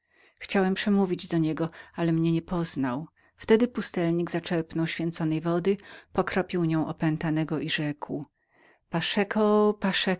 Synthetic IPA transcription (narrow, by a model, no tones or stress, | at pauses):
xt͡ɕawɛmpʂɛmuvʲid͡ʑd̪ɔɲɛɡɔalɛmɲɛɲɛpɔznaw | ft̪ɛd̪ɘpust̪ɛlɲiɡzat͡ʂɛɾpnɔwɕfʲjɛnt̪sɔnɛjvɔd̪ɘpɔkɾɔpʲiwɲɔ̃w̃ʔɔpɛnt̪anɛɡɔʔiʐɛkw | paʂɛkʰɔpaʂɛ